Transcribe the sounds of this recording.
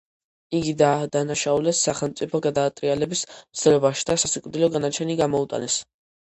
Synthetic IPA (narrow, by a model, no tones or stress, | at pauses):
iɡid̪aːd̪anaʃaulɛsːaχɛlˠmt̪sʼipʰɔɡad̪aːt̪ʼɾialɛbismt̪sd̪ɛlɛbaʃid̪asasikʼvd̪ilɔɡanat͡ʃʰɛniɡamɔut̪ʼa̰nɛs